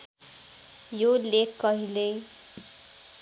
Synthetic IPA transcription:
jolekkːʌɦilej

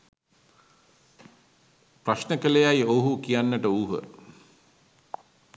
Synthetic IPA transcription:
praʃnəkələjajoɦukijanːəʈəuːɦə̰

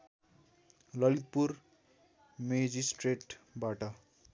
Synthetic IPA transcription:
lʌlit̪̚pur | med͡zisʈreʈbaʈʌ

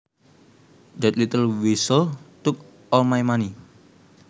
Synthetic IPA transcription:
d̪ɛt̪lit̪əlwisəlt̪ʊk | ʔɔlmajmani

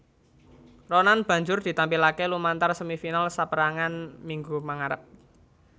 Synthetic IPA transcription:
ronanb̥ä̤ɲd͡ʒʊrd̪̥i̤t̪ampilakelumant̪arsəmifinalsapəɾaŋanmiŋɡumaŋaɾəp̚

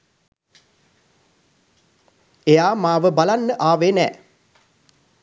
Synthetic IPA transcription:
ejaːmaːʋəbalanːəʔaːʋeːnɛ̰ː

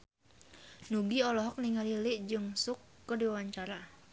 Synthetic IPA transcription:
nuɡiɔlɔɦɔk̚niŋalilɪʔd͡ʒɨŋsukːədiwawaɲt͡ʃaɾa

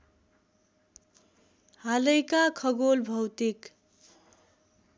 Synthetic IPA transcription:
halʌjkakʰʌɡolbʱʌwt̪ik

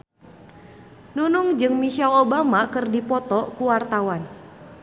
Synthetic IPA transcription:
nunʊŋd͡ʒɨŋmiʃalobamakərdipɔt̪ɔkuwart̪awan

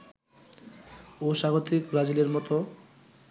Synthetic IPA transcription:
oʃaɡot̪ikbɾad͡ʑileɾmɔt̪o

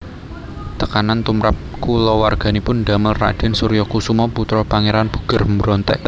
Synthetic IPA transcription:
t̪əkanant̪umɾap̚kulɔwarɡ̥a̤nipʊnɖaməlra̰d̥a̤nsuɾijɔkusumɔput̪ɾɔpaŋeɾanb̥ṳ̥ɡ̥ə̤rmbɾɔnt̪ɛ̰ʔ

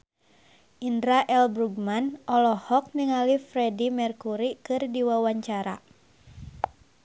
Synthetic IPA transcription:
ʔindɾaʔɛlbɾuɡmanʔɔlɔhɔk̚niŋalifɾɛdimɛrkuɾikɨrdiwawaɲt͡ʃaɾa̰

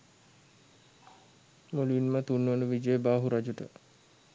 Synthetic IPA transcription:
moluinmət̪unːəʋənəʋid͡ʒəəbaːɦuɾad͡ʒuʈə̰

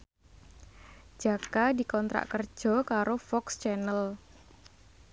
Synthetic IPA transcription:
d͡ʒ̥akadi̤kɔnt̪ɾa̰ʔkərd̥ʒ̥ɔ̤kaɾofɔkst͡ʃɛnəl

